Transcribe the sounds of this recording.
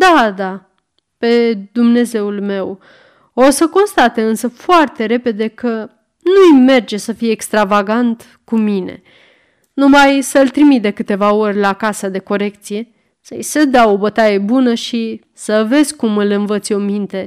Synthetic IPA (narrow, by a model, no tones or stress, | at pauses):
d̪ad̪a | pe̞d̪umne̞ze̞ulme̞w | osəko̞nst̪at̪eɨnsəfoart̪e̞ɾe̞pe̞d̪e̞kə | nujme̞rd͡ʒe̞səfijeːkst̪ɾavaɡant̪ | kumine̞̰ | numajsəɨlt̪ɾimit̪̚d̪e̞kɨt̪e̞vao̞rʲlakasəd̪e̞ko̞ɾe̞k̚t̪sije̞ | səjsed̪awobət̪ajebunəʃi | səve̞zʲkumɨlɨnvət̪sʲo̞mint̪e̞